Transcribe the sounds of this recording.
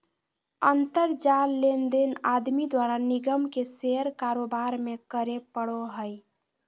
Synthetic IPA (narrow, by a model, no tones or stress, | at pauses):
ənt̪əɾd͡ʒalːend̪enad̪mid̪waɾaniɡəmkeseəɾkaɾobaɾmekəɾepəɽoɦəj